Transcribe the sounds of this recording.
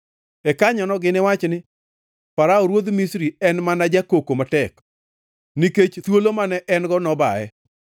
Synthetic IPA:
ɛkaɲɔnɔɡɪnɪwat͡ʃnɪ | paɾaoɾwod̪misɾiɛnmanad͡ʒakokomatɛk | niket͡ʃt̪wolomanɛʔɛnɡɔnɔbaɛ̰

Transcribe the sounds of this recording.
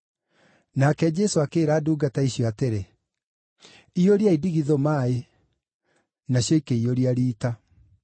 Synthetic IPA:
nakɛd͡ʑɛsoakeːɾaːduːɡataiɕjɔateɾe | ioɾiaidiɣiðomaːe | naɕjɔikeioɾiaɾiːta

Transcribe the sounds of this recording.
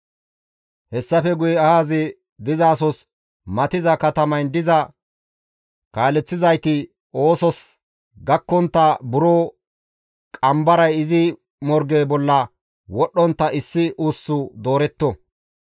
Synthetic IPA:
hɛsːɐfɛɡʊjɛɐhaːzɪ | d̪ɪzaːsɔs | mɐt̪ɪzɐkɐt̪ɐmɐjnd̪ɪzɐ | kaːlɛt͡sːɪzɐjt̪ɪ | o̞ːsɔs | ɡɐkːɔnt̪ːɐbʊɾoː | kʼɐmbɐɾɐjɪzɪ | mɔɾɡeːbɔlːɐ | wɔɗːɔnt̪ːɐɪsːɪʔuːsːʊd̪o̞ːɾɛt̪ːɔ

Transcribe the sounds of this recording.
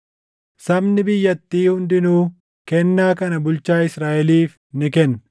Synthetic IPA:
sɐbnɪbɪjːɐt̪ːiːhʊnd̪ɪnuː | kɛnːaːkɐnɐbʊlt͡ʃaːɪsɾaːʔɛliːf | nɪkɛnː

